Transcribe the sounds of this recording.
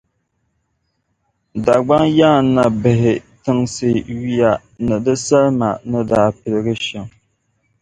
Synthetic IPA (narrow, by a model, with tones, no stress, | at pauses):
da˨ɡ͡ba˦ŋja˦˨˦nːa˨bɨ˨ɦɪ˨tɨ˦ŋsɨ˦˨ɥi˦ja˦ | nɨ˨dɨ˦sa˦lma˨nɨ˦daː˦pɨ˨lɪ˦ɡɨ˦ʃɛ˨ŋ